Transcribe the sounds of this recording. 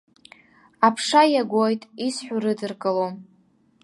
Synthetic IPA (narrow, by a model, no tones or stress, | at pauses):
apʰʂajaɡʷojtʼisħʷᶣurɨdɨrkʼɨlo